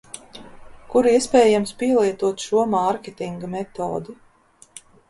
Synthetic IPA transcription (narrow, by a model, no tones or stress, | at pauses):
kuɾiɛspʲɛːjamspiɛlˠiɛt̪uɔt̪ʃuɔmaɾkʲet̪iŋɡamɛt̪o̰ːd̪u